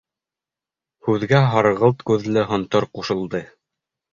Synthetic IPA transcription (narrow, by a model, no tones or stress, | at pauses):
hʉðɡæɦɑɾɤʁɤlˠt̪kʉðlɘɦŏnt̪ɤɾquʃɤ̆lˠd̪ɤ